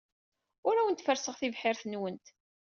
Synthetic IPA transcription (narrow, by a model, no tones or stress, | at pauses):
ʊɾæwənt̪fəɾsəʁθivħɪɾθənwənt̪